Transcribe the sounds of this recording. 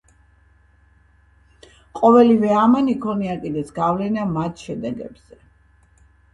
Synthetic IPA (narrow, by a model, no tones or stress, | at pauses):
qʼɔvɛlivɛamanikʰɔniakʼid̪ɛsɡavlɛnamat̪ʰʃɛd̪ɛɡɛ̰bz̥ɛ